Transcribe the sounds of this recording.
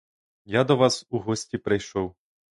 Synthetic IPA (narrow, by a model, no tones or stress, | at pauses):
jad̪ɔʋasuɦɔsʲtʲipɾɪjʃɔw